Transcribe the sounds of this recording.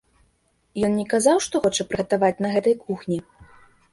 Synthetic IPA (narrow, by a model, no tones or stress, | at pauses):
jɔnnʲɛkazawʂt̪ɔxɔt͡ʂɐpɾɨɣɐt̪avat͡sʲnɐɣɛt̪ɐjkʰuxnʲi